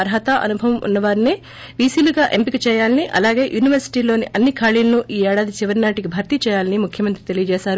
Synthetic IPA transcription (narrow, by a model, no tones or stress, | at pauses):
ɐɾɦɐt̪aʔɐ̰nubʱɐʋɐmṵnːɐʋaːɾine | ʋiːsiːluɡaːʔempikit͡ʃɛːjaːlɐniʔɐ̰laːɡe̞ːjuːniʋɐɾsi̥ʈiːlo̞ːniʔɐnːikʰaːɭiːlɐnuʔiːɛːɽaːd̪it͡ʃiʋɐɾinaːʈikibʱɐɾt̪it͡ʃɛːjaːlɐnimukʰjɐmɐnt̪ɾit̪e̞lijɐd͡ʒɛːsaːɾu